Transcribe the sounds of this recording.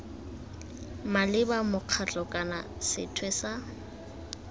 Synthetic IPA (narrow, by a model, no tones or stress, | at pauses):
malɪbamʊq͡χʰat͡ɬʼɔkʼana̰sɪ̰tʰwɛsa